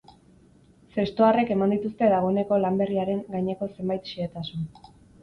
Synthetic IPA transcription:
se̞st̪oare̞ke̞mand̪it̪ust̪e̞ðaɣ̞o̞ene̞ko̞lambe̞riaɾe̞ŋɡajɲe̞ko̞se̞mbajt̪ʃiet̪asun

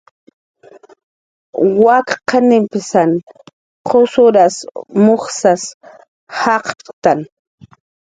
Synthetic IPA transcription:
wakqanɪmpɪsan | qʰosʊɾasmoχsas | hɑqt̪an

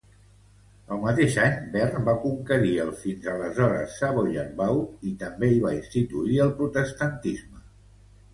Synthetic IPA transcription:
əlˠmət̪eʃaɲbɛrbakuŋkəɾiəlˠfinzələzɔɾə̰sːaβoʎərβawit̪əmbeiβainst̪it̪uiəlˠpɾut̪əst̪ənt̪izmə

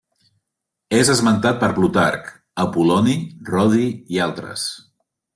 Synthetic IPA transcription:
ezəzmənt̪at̪̚pəɾβlut̪a̰ɾk | əpulɔnirɔðiːalˠt̪ɾə̰s

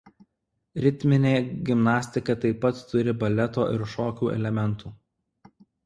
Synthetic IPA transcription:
ɾʲɪt̪ʲmʲɪnʲeːɡʲɪmnɑːsʲt̪ʲɪkɐt̪ɐɪpːɐt̪ːʊɾʲɪbɐlʲɛt̪o̰ːʔɪɾʃoːkʲuːʔɛ̰lʲɛmʲɛnˑt̪uː

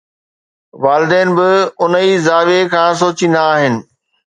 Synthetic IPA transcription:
ʋaːlɪd̪ɛːnɪ̆bɪʊn̤izaːʋekʰãːs̬oːt͡ɕind̪aaːɦɪnɪ̆

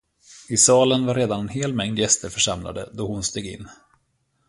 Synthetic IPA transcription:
ɪsɑːlənvaɾːeːd̪anɛnɦeːlmɛŋd̪jɛst̪əɾfœʂamla̰d̪ə̰d̪ɔhʊnst̪eːɡɪ̰nː

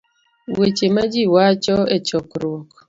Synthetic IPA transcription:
wet͡ʃemad͡ʒiwat͡ʃɔet͡ʃɔkɾwɔk

